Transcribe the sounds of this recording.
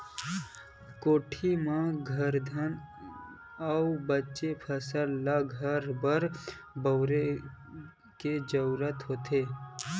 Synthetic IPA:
koːʈʰimãɡʱəɾd̪ʱən | əubətːʃepʰəsəlːaɡʱəɾbəɾ | bəʊɾe | ked͡ʒəɾuːɾət̪ɦoːt̪eː

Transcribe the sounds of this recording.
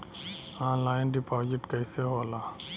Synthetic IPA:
aːnlaːɪnɖɪpɔːd͡ʒɪʈkɛɪseɦoːlaː

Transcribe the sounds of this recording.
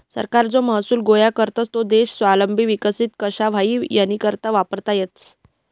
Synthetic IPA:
sə̰ɾkaɾd͡zoməɦsuːlɡojakəɾt̪ət͡st̪od̪eɕsʋaləmbʱiʋikəsit̪kəɕaʋ̤aiːjanːiːkəɾt̪aʋapəɾt̪ajet̪s

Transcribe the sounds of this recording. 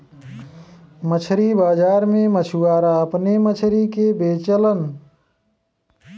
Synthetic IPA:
mət͡ʃʰɾibaːd͡ʒaːɾmẽmət͡ʃʰuaːɾaəpnemət͡ʃʰɾikebeːt͡ʃələn

